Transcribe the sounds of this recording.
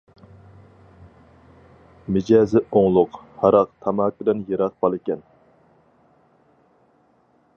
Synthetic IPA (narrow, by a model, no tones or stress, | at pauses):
mɪd͡ʒɛːzɪoŋlˠʊqhɑɾɑqt̪ʰɑmɑːkʲɪd̪ɛnjeɾɑq̚b̥ɑlˠɪkʲɛn